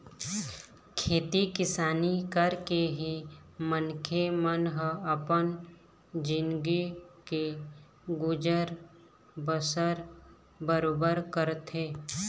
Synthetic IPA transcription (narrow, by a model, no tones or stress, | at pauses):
kʰeːt̪ikɪsaːnikəɾkeɦimənkʰemənɦəəpən | d͡ʒɪnɡike | ɡʊd͡ʒəɾ | bəsəɾ | bəɾoːbəɾkəɾt̪eː